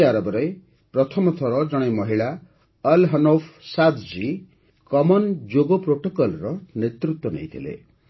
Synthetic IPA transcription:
aɾɔbɔɾej | pɾɔt̪ʰɔmɔt̪ʰɔɾɔd͡ʒɔɽ̃emʌɦiɭa | ʌlɦʌnopʰsat̪ʰd͡ʒi | kɔmɔnd͡ʒoɡɔpɾoʈokɔlɾɔnet̪ɾut̪wɔnḛjt̪ʰilḛ

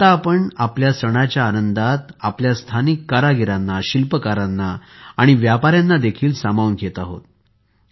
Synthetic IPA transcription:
t̪aːpəɳapljasəɽ̃at͡ɕjaːnənd̪at̪apljast̪ʰanikːaɾaɡʱiɾanːaɕilpəkaɾanːaaɽ̃iʋjapaɾjanːad̪ekʰiːlsamaunɡʰet̪aɦo̰t̪

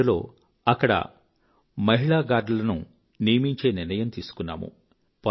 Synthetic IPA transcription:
ulo̞̰ː | ɐkːɐɽɐ̰ | mɐɦiɭaːɡaːɖlɐnu | nijɐmiɲt͡ʃe̞ːniɾnɐjɐmt̪iːsu̥kunːa̰ːmṵ | pɐ

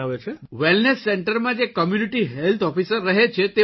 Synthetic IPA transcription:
aʋet͡ʃʰeʋelnesːɛɳʈəɾmãd͡ʒekəmjuniʈiɦelt̪ʰɔfisəɾːəɦet͡ʃʰet̪e

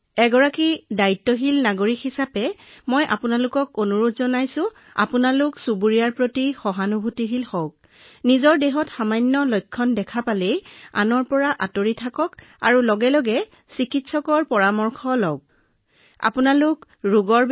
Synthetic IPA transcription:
ɛɡɔɹakidaitːɔɦilnaɡoɹikhisapɛmɔjʔa̰pʊnalʊkɔkonuɹutʰzɔnajsʊ̃ | a̰pʊnalʊksubuɹiaɹpɹotixɔɦanubʱutiɦilxɔk̚ | nizɔɹdeɦɔtxamajnːɔlɔjkʰːɔndɛkʰapaleja̰nɔɹpɔɹaʔatoɹitʰakɔk | a̰ɹulɔɡɛlɔɡɛ | sikitsɔkɔɹpɔɹamɔɹkʰɔlɔk̚ | a̰punalʊk | ɹuɡɔɹ

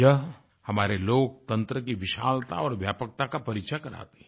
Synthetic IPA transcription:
jɐɦ | hɐmaːɾeloːk̚t̪ɐ̃nt̪ɾəkiʋɪʃaːlt̪a̰ɔːɾʋjaːpək̚t̪akapɐɾikʃʰakɐɾa̰ːt̪e̥

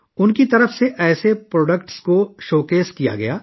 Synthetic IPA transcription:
ʊnkit̪ɐɾəfseʔɛːsepɾɔːɖəkʈskoʃoːkeːskija̰ɡɐ̰jaː

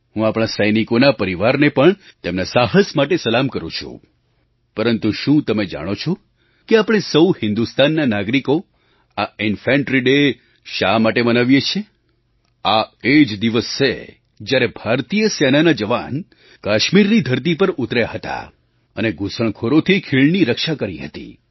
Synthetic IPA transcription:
ɦũapɽ̃asəjnikonapəɾiʋaɾnepəɳt̪emnasaɦəsmaʈesəlamkəɾũt͡ʃʰṵ̃ | pəɾənt̪uʃũt̪əmed͡ʒa̰ɽ̃ot͡ʃʰɔ | keapəɽ̃esəwhɪ̃nd̪ust̪ʰanːanaɡɾiko | aɪnfɛ̃ɳʈɾiɖe | ʃamaʈemənaʋjet͡ʃʰe | aed͡ʒd̪iʋəst͡ʃḛ | d͡ʒjaɾebʱaɾt̪ijəsenanad͡ʒəʋa̰n | kaʃmiɾnid̪ʱəɾt̪̬ipəɾut̪ɾjaɦət̪a̰ | əneɡusəɳ̃kʰoɾot̪ʰikʰiɭniɾəkʃakəɾiɦə̰t̪ḭ

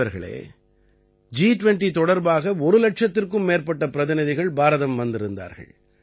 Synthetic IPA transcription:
ɐɾɣɐ̰ɭḛː | d͡ʒiːʈʊʋɛɳʈit̪ɔɽɐɾbaːɣɐɔɾɯlɐʈ̚ʂɐt̪ːɪrkɯmːeːɾpɐʈːɐpɪɾɐðɪnɐðɪɣɐɭbaːɾɐðɐmʋɐnd̪ɪɾɯnd̪a̰ːɾɣɐ̰ɭ

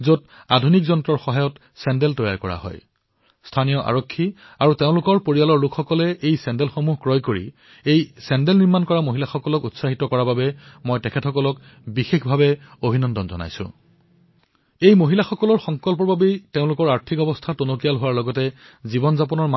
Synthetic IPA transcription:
zot | a̰dʱunikzɔntɹɔɹxɔɦajɔt | sɛndɛltɔja̰ɹkɔ̰ɹa̰ɦɔ̰j | stʰanijɔʔa̰ɹɔkʰːi | aɹuteʊ̃lʊkɔɹpoɹijalɔɹlʊkʰxɔkɔlɛʔejsɛndɛlxomuɦkɹɔjkoɹḭ | ejsɛndɛlniɹmankɔɹamoɦilaxɔkɔlɔkutsaɦitɔkɔɹababɛmojtɛkʰɛtʰxɔkɔlɔk | bixexbʱabɛobʱinɔndɔnzɔ̰na̰jsʊ̰̃ | ejmoɦilaxɔkɔlɔɹxɔŋkɔlpɔɹbabeteʊ̃lʊkɔɹaɹtʰikɔbɔstʰatonokijalɦowaɹlɔɡɔtɛ | zibɔnzapɔnɔɹm

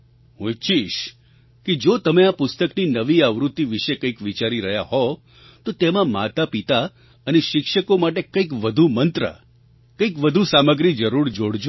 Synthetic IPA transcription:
ɦũt͡ʃiʃ | ked͡ʒot̪əmeapʊst̪əkninəʋiaʋɾut̪ːiʋiʃekəikʋit͡ʃaɾiɾəɦjaɦɔ | t̪ot̪emãma̰t̪apit̪a | əneʃɪkʃəkomaʈ̬ekəikʋəd̪ʱumənt̪ɾə̰ | kəikʋəd̪ʱusaməɡɾid͡ʒəɾuɾd͡ʒoɽd͡ʒ

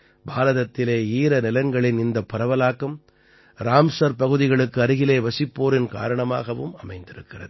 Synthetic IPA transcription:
baːɾɐðɐt̪ːɪleːiːɾɐnɪlɐŋɡɐɭɪnɪnd̪ɐpːɐɾɐʋɐlaːkːɐm | ɾaːmsɐɾpɐɣɯðɪɣɐɭɯkːɯɐɾɯɣɪleːʋɐsɪpːoːɾɪnka̰ːɾɐɳɐma̰ːɣɐʋɯmɐmɐɪnd̪ɪɾɯkːɪrɐ̰ðɯ

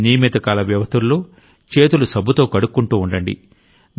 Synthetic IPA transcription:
nijmit̪ɐkaːlɐʋjɐʋɐst̪ʰulːoː | t͡ʃe̞ːt̪ulusɐbʱut̪o̞ːkɐɽukːuɳʈuːɳɖɐɳɖḭ

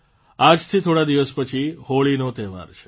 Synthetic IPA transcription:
ad͡ʒt̪ʰit̪ʰoɽad̪iʋəspət͡ʃʰihoɭinot̪ɛɦʋa̰ɾt͡ʃʰe̥

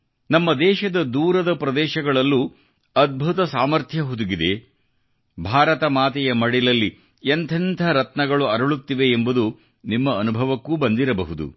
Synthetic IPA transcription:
nɐmːɐd̪ɛːʃɐd̪ɐd̪uːɾɐd̪ɐpɾɐd̪ɛːʃɐɡɐɭɐlːu | ɐd̪̚bʱut̪ɐsaːmɐɾt̪ʰjɐɦud̪uɡid̪e̞ | bʱaːɾɐt̪ɐmaːt̪ɛjɐmɐɽilɐlːi | ent̪ʰɐnt̪ʰɐɾɐt̪nɐɡɐɭuɐɾɐɭut̪ːiʋe̞ːmbud̪u | nimːɐːnubʱɐʋɐkːubɐnd̪iɾɐbɐɦud̪ṵ

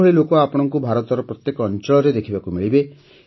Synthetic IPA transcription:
ɔɭilokɔapɔɽ̃ɔŋkubʱaɾɔt̪ɔɾɔpɾɔt̪jekɔːnt͡ʃɔɭɔɾed̪ekʰibakumiɭibe

